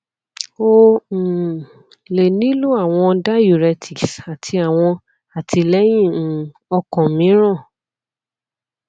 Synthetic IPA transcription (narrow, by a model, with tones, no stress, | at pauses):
o˦˨ | le˨nĩ˨˦lu˦a˦˨w̃ɔ̃˧da˦ju˨ɾɛ˧tʰi˨ksa˨tʰi˧a˨w̃ɔ̃˧ | a˨ti˧lɛ˦j̃ĩ˦˨˦ | ɔ˧kɔ̃˨mĩ˨˦ɾ̃ɔ̃˦˨